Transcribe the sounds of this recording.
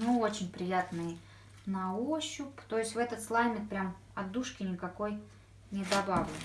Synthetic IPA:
nʊo̞t͡ɕɪnʲpɾʲɪjat̪nɨ | nɐoɕːʊpt̪o̞ɪsʲtʲvɛt̪ət̪slˠalʲmʲɪt̪̚pɾʲam | ɐd̪ːuʂkʲɪnʲɪkɐko̞j | nʲɪd̪ɐbavʲn

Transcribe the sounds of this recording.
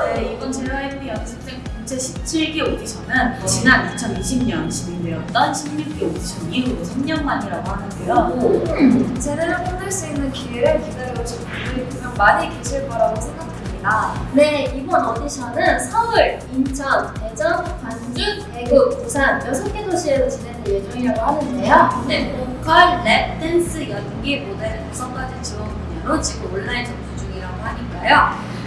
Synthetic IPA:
eiɡʌnt͡ɕewaɦepijʌnd͡ʑʰɯk̚t͈eŋpuŋt͡ɕʰeɕʰi̥p̚t͡ɕʰiɭɡiodisʰʌnɯnt͡ɕinanit͡ɕʰʌniɕʰimɲʌnɕiɲimjʌt͈ʌnɕʰimɲuk̚k͈eoɡiɕʰimɡikɯɾiɡosʰamɲʌnmaɲiɾaɡoɦanɯndeaɡo | t͡ɕʰedeɾɯpʰodɯɭs͈uinːɯnkiiɾɯɭkideɾoɭt͡ɕ͈omuikʰumjʌnmaɲikit͡ɕʰiɭpaɾaɡosʰeŋɡak̚t͈ʰemɲidane̞ibʌnʌdisʰʌnɯnsʰʌɯɭint͡ɕʰʌnte̞d͡ʑʌŋkand͡ʑɯn | eɡɯk̚kusʰanjʌsʰʌk͈etʰoɕʰieɾot͡ɕinenɯnje̞d͡ʑʌŋiɾaɡohanɯnde̞joepokʰanːe̞p̚t͈ʰens͈ʰɯjʌnɡimode̞ɾɯjosʰʌŋɡ͈ad͡ʑɯnt͡ɕiɡʌmbojʌnot͡ɕiɡɯmʌɭːainɯŋd͡ʑʰud͡ʑuŋiɾaɡohaɲik͈ajo

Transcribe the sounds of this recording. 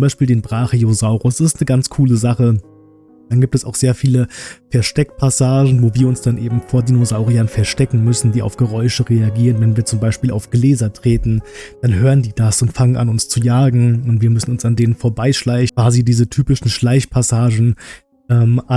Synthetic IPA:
t͡sʊmbaɪʃpiːldeːnbʁaːχiozaʊʁʊsɪstnəɡant͡skʰuːləzaχə | d̥anɡiːp̚tɛsaʊxz̥eːɐfiːləfɛɐʃtɛkpʰasaːʒn̩voːviːɐʊnsd̥anʔeːbm̩foːɐdinozaʊʁianfɛɐʃtɛkŋ̩mʏsn̩diːa̰ʊfɡ̥əʁɔʏʃəʁeaɡiːʁənvɛnviːɐt͡sʊmbaɪʃpiːla̰ʊfɡ̥leːzɐtʁ̥eːtn̩d̥anɦøːʁəndiːdasʊntfaŋənʔa̰nʊnst͡sujaːɡŋ̩ʊntv̥iːɐmʏsn̩ʊnsandeːnənfoːɐbaɪʃlaɪçv̥aːzidiːzətʰyːpɪʃn̩ʃlaɪçpʰasaːʒn̩ | ʔɛːmʔa

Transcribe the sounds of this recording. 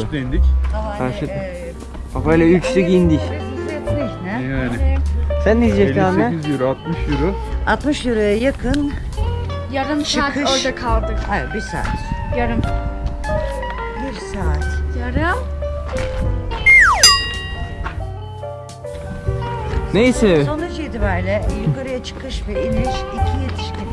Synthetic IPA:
d̪end̪ikkʰaɾʃet̪mʰ | afajlʲˠaylʲt͡ʃsykind̪iç | ninɛjaːnɪsænːizjaannaizjuɾuat̪̚mɯʃjuɾuat̪mɯʃjuɾujajakʰɯn | jaɾɯnt͡ʃaːkɯøjd̪ɛkʰalˠd̪ɯkabiɾsa̰ːt̪jaɾɯm | biɾsaːt̪jaɾɯ | nejsɛsonud͡ʒjed̪ibæɾlʲɛjukaɾɯjat͡ʃʰɯ̥kʰɯʃbiiniʃicʰijet̪ʰi̥ʃkin

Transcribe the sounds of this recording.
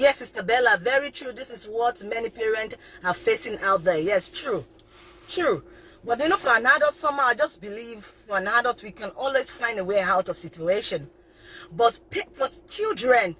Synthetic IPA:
jɛsistəbɛlavɛɹitʰɹ̥uðɪsɪswɔtmɛnipɛɹɛ̃ntafesɪ̃naʊt̚ðɛjɛstʰɹu | tʰɹu | wɛ̃ndenofɔãnadɔlˠtsɔ̃maad͡ʒʌsbilivfɔãnadɔlˠtwikãnɔlˠwez̥fãɪ̃ndeweaʊtɔv̥sit͡ʃueʃɔ̃n | bɔtpbɔtt͡ʃildɹɛ̃n

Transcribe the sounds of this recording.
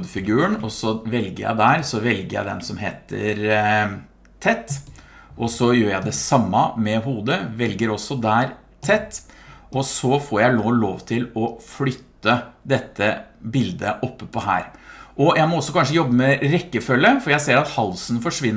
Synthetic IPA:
d̪fɪɡʉːəɳɔsɔʋɛlɡəɾjæ̰ɪd̪æːɾsɔʋɛlɡəɾjæ̰ɪd̪ɛ̰nsɔmɦeːt̪ʰə̰ɾ | t̪ʰɛt̪ː | ʔɔsɔjøːɾjæɪd̪ɛsɑmːɑmɛɦuːd̪əʋɛlɡəɾɔsɔd̪æːɾ | t̪ʰɛt̪ːʔɔsɔfoːɾjæɪnoːloːʋt̪ʰɪlɔflʏt̪ːəd̪ɛt̪ːəbɪld̪əʔɔpːəpʰɔhæ̰ːɾʔɔjæɪmɔɔsːɔkʰɑnʂəjɔbːəmɛɾɛkːəfœlːəfɔɾjæɪseːɾɑt̪hɑlsnfɔʂʋɪnː

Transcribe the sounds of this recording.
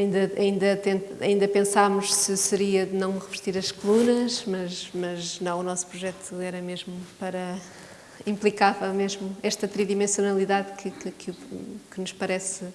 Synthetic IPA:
ɐĩnd̪ɐɐĩnd̪ɐt̪ẽnt̪ɐ̰ĩnd̪ɐpẽsamuʃsɨsɨɾiɐðɨnɐ̃w̃ʁɨvɨʃt̪iɾɐʃkulˠunɐʃmɐʃmɐʒnɐ̃w̃unɔsu̥pɾuʒɛt̪ʰuɛɾɐmeʒmupɐɾɐ | ĩmplˠikavɐmeʒmuɛʃt̪ɐt̪ɾiðimẽsjunɐlˠiðaðkʰɨkkikɨnuʃpɐɾɛs

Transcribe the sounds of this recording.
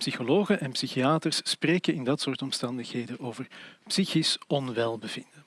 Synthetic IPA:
psixoloːɣənʔɛnpsixiaːtərspreːkənɪndɑtsoːrtɔmstɑndəxɦeːdənoːvərpsixisɔnʋɛlˠbəvɪndə

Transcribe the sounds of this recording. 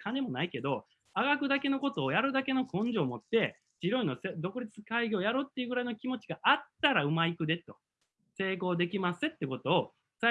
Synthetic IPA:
kane̞mo̞naike̞d̪o̞ | aɡakɯ̟d̪ake̞no̞ko̞t̪o̞ːjaɾɯ̟d̪ake̞no̞kõ̞ɲ̟d͡ʑo̞ːmo̞t̪ːe̞ | d͡ʑiɾoĩnosed̪o̞kɯ̟ɾʲit͡sɨkaiɡʲo̞ːjaɾo̞ːt̪ːe̞iɯɡɯ̟ɾaino̞kʲimo̞t͡ɕiɡaʔat̪ːaɾaɯ̟maikɯ̟d̪e̞t̪o̞̰ | se̞ːko̞ːd̪e̞kʲimasɨt̪ːeko̞t̪o̞ː | sa

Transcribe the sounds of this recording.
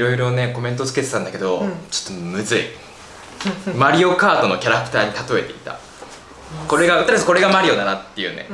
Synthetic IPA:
ɾo̞iɾo̞ne̞ko̞mẽ̞nt̪o̞t͡sɨ̥ke̞t̪e̞t̪ãnd̪ake̞d̪o̞t͡ɕo̥t̪ːo̞mɯ̟zɨḭ | maɾʲio̞kaːt̪o̞no̞kʲaɾakɯ̥t̪aːɲ̟it̪at̪o̞e̞t̪e̞it̪a̰ | ko̞ɾe̞ɡaɯt̪aɾsɨko̞ɾe̞ɡamaɾʲio̞d̪anat̪ːe̞jɯ̟ːnḛ

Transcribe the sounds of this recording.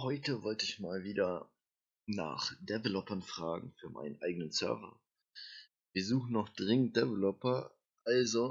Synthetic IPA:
hɔʏtəvɔltəɪçmaːlviːdɐ | na̰ːχd̥ɛvɛlɔpɐnfʁ̥aːɡŋ̩fyːɐmʔa̰ɪnənʔaɪɡənənsœ̰ɐvɐ̰ | v̥iːɐzuːχn̩nɔχd̥ʁɪŋənt̚d̥ɛvɛlɔpɐ | ʔalzo

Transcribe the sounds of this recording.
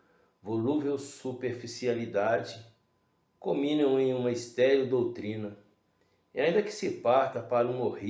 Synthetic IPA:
voluvewsupeɾfisialid̪ad͡ʒɪ | kõmĩnɐ̃w̃ẽj̃ũmɐist̪ɛɾɐʊd̪owt̪ɾĩnɐ | iaĩnd̪ɐkɪ̥sɪpaɾt̪ɐpaɾɐũmohi

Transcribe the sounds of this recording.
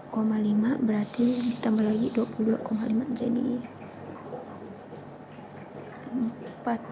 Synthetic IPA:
komalimaʔbəɾart̪idit̪ambalaɡiduapuluduakomalimad͡ʒadḭ | əmpat̪̚

